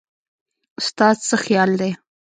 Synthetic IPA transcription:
ʊst̪ɑzsəxjɑld̪e

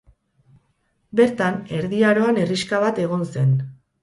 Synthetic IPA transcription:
be̞ɾt̪ane̞ɾðiaɾo̞ane̞riskaβat̪e̞ɣo̞nse̞n

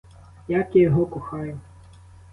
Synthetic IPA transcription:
jakʲijɔɦɔkʊxajʊ

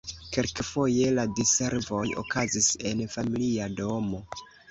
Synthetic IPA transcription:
ke̞lkfo̞je̞ladise̞ɾvo̞jo̰kazise̞nfamiliado̞mo̞

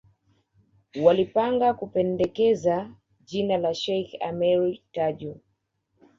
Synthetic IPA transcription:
walipaŋɡakupɛndɛkɛza | ʄinalaʃɛjxa̰mɛɹitaʄu

